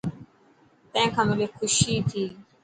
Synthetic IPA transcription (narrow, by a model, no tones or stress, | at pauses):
t̪ə̃ẽːkʰãːmɪleːxʰʊʃiːt̪ʰiː